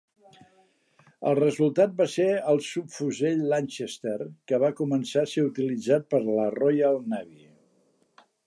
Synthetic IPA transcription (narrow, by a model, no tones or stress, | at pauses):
ə̰lˠrəzulˠt̪at̪̚baseəlˠsupfuzeʎlanʲʃest̪erkəβakumənsaseut̪ilid͡zat̪̚pəɾlərɔjəlˠnaβi